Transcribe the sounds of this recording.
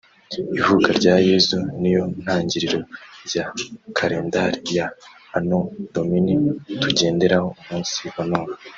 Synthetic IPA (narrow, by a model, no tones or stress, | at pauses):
ivukaɾɟaːje̞zunijo̞n̥haːɲɟiɾiɾo̞ɾɟakʰaɾeːndaɾijaː | nod̥o̞minituɟe̞ːnde̞ɾaho̞umuːnsihonoːna